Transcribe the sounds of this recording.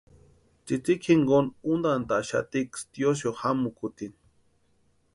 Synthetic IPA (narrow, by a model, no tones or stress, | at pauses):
t͡sit͡sikʰiŋɡonund̪ant̪aʔʃa̰t̪ikst̪jos̬johamukut̪in